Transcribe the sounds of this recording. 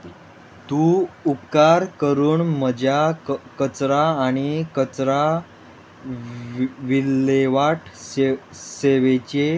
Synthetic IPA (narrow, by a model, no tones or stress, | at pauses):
t̪uupkaɾkəɾuːnməd͡ʑʱjakət͡sɾaːɽ̃ikət͡sɾa | ʋilːeʋaʈʰ | seʋet͡ɕe